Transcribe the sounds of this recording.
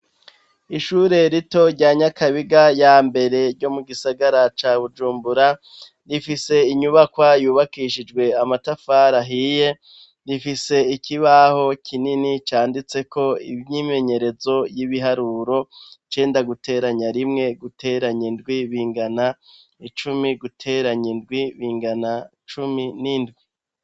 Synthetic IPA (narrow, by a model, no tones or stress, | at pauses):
iʃuːɾe̞ɾito̞ɾɟaːɲakʰaβiɡajaːmbe̞ɾe̞ɾɟo̞muɡisaɡaɾat͡ʃaːβud͡ʒuːmbuɾa | ɾifise̞iɲuβakwajuːβakiʃid͡ʒɡwe̞amatafaɾaɦije̞ | ɾifise̞ikʰiβaho̞kʰininit͡ʃaːndit͡se̞kʰo̞ḭβɲime̞ɲe̞ɾe̞zo̞jiβiɦaɾuːɾo̞t͡ʃe̞ːndaɡutʰe̞ːɾaɲaɾimŋe̞ɡutʰe̞ːɾaɲindɡwiβiːŋɡana | it͡ʃumiɡutʰe̞ːɾaɲindɡwiβiːŋɡana | t͡ʃuminindɡwi